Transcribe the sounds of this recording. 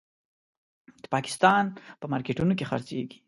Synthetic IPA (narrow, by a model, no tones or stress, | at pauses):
d̪əpɑkɪ̥st̪ɑnpəmɑɾkeʈunok̬exaɾt͡sḛɡi̥